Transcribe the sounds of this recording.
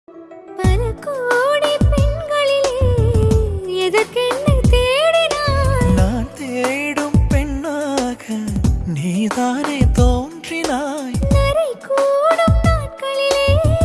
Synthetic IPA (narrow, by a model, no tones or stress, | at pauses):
p̪ɐnɐkoːɽipɛnɡɐɭɪleː | ɛðɐkɛɳːɐt̪eːɽinaːnaːnt̪eːjɽɯmpɛɳːaːɣɐniːt̪aːneːt̪oːndrɪnaːnɛɾɐjkuːɽɯmnaːkɐɭɪleː